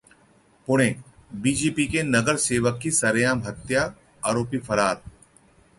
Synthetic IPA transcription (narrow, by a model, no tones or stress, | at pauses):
pʊɽ̃ẽːbiːd͡ʒeːpikenɐɡəɾseːʋəkːisɐɾjaːmɦɐt̪ja | aːɾoːpifʰɐɾaːɾ